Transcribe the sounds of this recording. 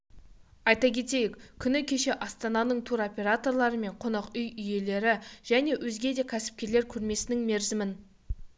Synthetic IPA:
ɑjt̪ɑkʲʰe̞t̪e̞jɪkʲkʲʰʏnɪkʲʰe̞ʃe̞ʔɑst̪ɑnɑnəɴt̪ʰuɾo̞pʲe̞ɾat̪o̞rlˠɑɾəme̞ɴqʰonɑqʏjʏje̞le̞ɾɪʒ̥æne̞wʔɵzɡʲe̞d̪e̞kʲʰæsɪ̥p̚kʲe̞ɾle̞ɾkʲʰɵɾme̞sɪnɪŋme̞ɾzɪmɪn

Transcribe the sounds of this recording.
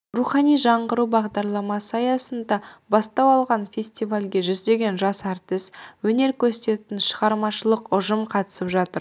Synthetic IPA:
ruχɑnijʒɑɴʁəɾubɑʁd̪ɑɾlˠɑmɑsəɑjɑsənd̪ɑbɑst̪ɑwɑlˠʁɑnfʲe̞sʲt̪ʲivalʲɡʲe̞ʒʏzd̪e̞ɡʲe̞nʒɑsæɾt̪ɪswɵne̞ɾkʲʰɵset̪e̞t̪ɪnʃəʁɑɾmɑʃəlˠəqʊʒəmqʰɑt̪ə̥səpʒɑt̪əɾ

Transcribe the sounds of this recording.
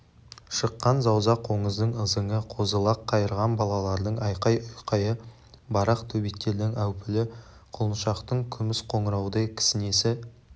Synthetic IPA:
ʃəqːɑnzɑwzɑqʰo̞ɴəzd̪əɴəzəŋəqʰo̞zəlˠɑqʰːɑjəɾʁɑnbɑlˠɑlˠɑɾd̪əɴɑjqɑjʊjqʰɑjə | bɑɾɑqt̪ʰɵbekt̪ːe̞ɾd̪ɪŋæwpɪlɪ | qʰolˠənʃɑqt̪əɴkʲʰʏmɪsqʰo̞ɴəɾɑwəd̪ɑjkʲʰɪ̥sɪne̞sɪ

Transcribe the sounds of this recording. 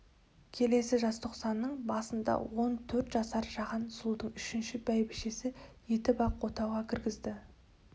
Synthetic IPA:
kʲʰe̞le̞sɪʒɑst̪ʰoqsɑnːəɴbɑsənd̪ɑ̰wo̞nt̪ʰɵɾt̪ʒɑsɑɾʒɑʁɑnsulˠd̪əɴʏʃɪnʃɪbæjbɪʃesɪje̞t̪ɪbɑqwo̞t̪ɑwʁɑkʲʰɪɾɡʲɪzd̪ɪ

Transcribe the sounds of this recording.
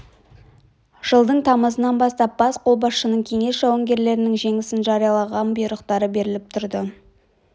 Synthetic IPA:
ʒ̥əlˠd̪əɴt̪ʰɑməzənɑnbɑst̪ɑp̚b̥ɑsqʰo̞lˠbɑsʃənəɴkʲʰe̞ŋe̞sʒɑwɑŋɡʲe̞ɾle̞ɾɪnɪŋʒe̞ŋɪsɪnʒɑɾijɑlˠɑʁɑnbʊjɾəqt̪ɑɾəbe̞ɾɪlɪp̚t̪ʰʊɾd̪ə

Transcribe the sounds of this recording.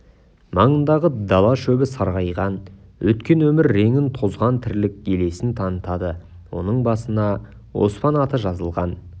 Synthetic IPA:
mɑɴənd̪ɑʁəd̪ɑlˠɑʃɵbɪsɑɾʁɑjʁɑnwɵt̪kʲe̞nwɵmɪɾːe̞ŋɪnt̪ʰo̞zʁɑnt̪ʰɪɾlɪk̚ʲɡʲe̞le̞sɪnt̪ʰɑnət̪ɑd̪ə | wo̞̰nəɴbɑsənɑ | wo̞̰spɑnɑt̪əʒɑzəlˠʁɑn

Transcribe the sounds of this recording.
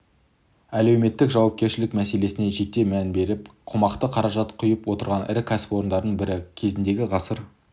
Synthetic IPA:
æle̞wme̞t̪ːɪkʒɑwɑp̚kʲe̞ɾʃɪlɪkmæse̞le̞sɪne̞ʒe̞t̪ːe̞mænbe̞ɾɪpqʰomɑqt̪əqʰɑɾɑʒɑt̪qʰʊjəpwo̞t̪əɾʁɑnɪ̰ɾɪkʲʰæsɪ̥pwo̞ɾənd̪ɑɾd̪əɴbɪɾɪkʲʰe̞zɪnd̪e̞ɡʲɪʁɑsəɾ

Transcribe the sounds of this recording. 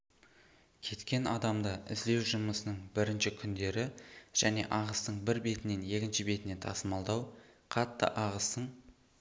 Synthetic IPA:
kʲʰe̞t̪kʲe̞nɑd̪ɑmd̪ɑʔɪ̰zd̪e̞wʒəməsənəɴbɪɾɪnʃɪkʲʰʏnd̪e̞ɾɪʒ̥æne̞̰ʔɑʁəst̪əɴbɪɾbe̞t̪ɪne̞nje̞kʲɪnʃɪbe̞t̪ɪne̞t̪ʰɑsəmɑlˠd̪ɑwqʰɑt̪ːə̰ʔɑʁəst̪əɴ

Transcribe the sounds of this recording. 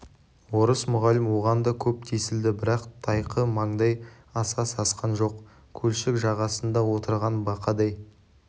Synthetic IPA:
woɾəsmʊʁɑlɪmwo̞ʁɑnd̪ɑkʲʰɵp̚t̪ʰesɪld̪ɪbɪɾɑqt̪ʰɑjqʰəmɑɴd̪ɑj | ɑsɑsɑsqɑnʒo̞q | kʲʰɵlʃɪkʒɑʁɑsənd̪ɑwo̞t̪əɾʁɑnbɑqʰɑd̪ɑj

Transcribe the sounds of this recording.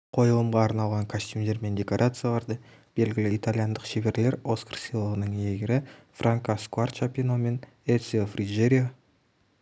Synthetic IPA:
qʰo̞jəlˠəmʁɑːɾnɑlˠʁɑŋkʰosʲt̪ʲumd̪e̞ɾme̞nd̪ʲeko̞ɾʔat̪sɨjalˠɑɾd̪ə | b̥e̞lɡʲɪlɪit̪alʲijand̪əqʃe̞βe̞ɾle̞ɾo̞skə̥rsijlˠəʁənəɴeɡʲɪɾɪfrʔaŋkaskuart̪t͡ʃapʲinome̞n | et̪siofriʒeɾʲia

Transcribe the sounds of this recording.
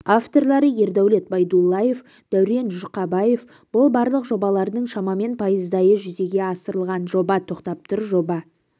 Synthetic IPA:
aft̪o̞rlˠɑɾəje̞ɾd̪æwle̞t̪̚bɑjd̪ulˠːɑje̞f | d̪̥æwɾe̞nʒʊrqɑbɑje̞f | b̥ʊlˠbɑɾlˠəqʒo̞bɑlˠɑɾd̪əɴʃɑmɑme̞npʰɑjəzd̪ɑjəʒʏze̞ɡʲe̞ɑsəɾəlˠʁɑnʒo̞bɑt̪ʰo̞qt̪ɑp̚t̪ʰʊɾʒo̞bɑ

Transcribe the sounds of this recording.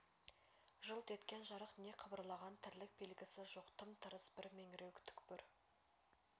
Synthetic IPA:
ʒəlˠt̪ʰe̞t̪kʲe̞nʒɑɾəqne̞qʰəbəɾlˠɑʁɑnt̪ʰɪɾlɪk̚be̞lɡʲɪsɪʒoqt̪ʰəmt̪ʰəɾəsbɪɾmeŋɪɾewkʲt̪ʰʏ̥kʲpʏɾ

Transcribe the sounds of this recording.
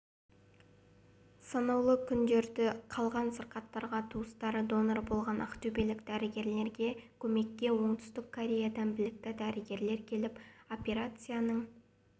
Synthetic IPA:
sɑnɑwlˠəkʲʰʏnd̪e̞ɾd̪ɪqʰɑlˠʁɑnsəɾqɑt̪ːɑɾʁɑt̪ʰuəst̪ɑɾəd̪o̞noɾbo̞lˠʁɑnʔɑ̰qt̪ɵbe̞lɪkd̪æɾɪɡʲe̞ɾle̞ɾɡʲe̞kʲʰɵme̞kʲːe̞wo̞ɴt̪ʰʏ̥st̪ɪkʰːoɾʲe̞jad̪ɑnbɪlɪk̚t̪ɪd̪æɾɪɡʲe̞ɾle̞ɾkʲʰe̞lɪpo̞pʲe̞ɾat̪sɨjanəɴ

